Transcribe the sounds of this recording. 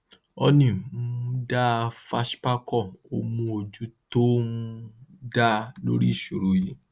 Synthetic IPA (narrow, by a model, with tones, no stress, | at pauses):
ɔ˧nĩ˨˦ũ˦da˦˧fa˦ʃpa˦kɔ˦˨o˧mũ˧o˨d͡ʒu˦to˦ũ˦da˦lo̰˦ɾi˦˨ʃu˨ɾo˨jĩ˨˦